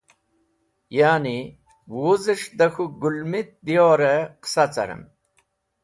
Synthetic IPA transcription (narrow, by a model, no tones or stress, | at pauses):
jaːni | wuzəʂd̪ɐxuɡulmit̪̚d̪ijoːɾeqsat͡sɐ̰ɾə̰m